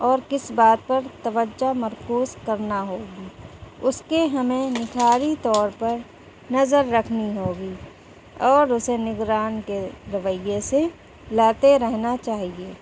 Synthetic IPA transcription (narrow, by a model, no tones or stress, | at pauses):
ɔːɾkɪsbaːt̪̚pɐɾt̪ɐʋəd͡ʒamɐɾkuːzkɐɾnaɦoːɡiːʊskeɦɐmẽnɪkʰaːɾit̪ɔːɾpɐɾ | nɐzəɾːɐkʰniɦoːɡiː | ɔːɾʊsenɪɡɾaːnkeɾɐʋəjːese | laːt̪eɾɛɦnat͡ʃaːɦieː